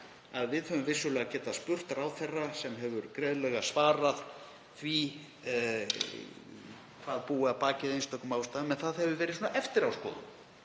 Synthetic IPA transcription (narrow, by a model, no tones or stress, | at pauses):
aðvɪðhœvʏmvɪsʏlɛɣacɛːt̪aspʏr̥t̪aɾawθɛrːasɛmɦɛvʏɾkɾɛːðlɛɣasvaːɾað | θvi | kʰvaːðpuːapaːcɪðejnst̪ɔkʏmaːwst̪aːðmɛnθaðhɛvʏvɛːɾɪðsunaʔɛft̪ɪɾawskɔ̰ːðʏ̰m